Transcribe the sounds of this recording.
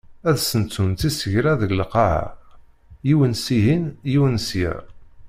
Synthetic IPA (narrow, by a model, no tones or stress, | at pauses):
æðsənt͡sːunt̪isəʝɾæðəllqɑʕa̰ | jiwənsiɦinjiwənsjæ̰ɾ